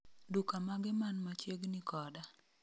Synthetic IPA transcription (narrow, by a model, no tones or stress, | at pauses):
dukamaɡɪmanmat͡ʃjeɡnɪkɔda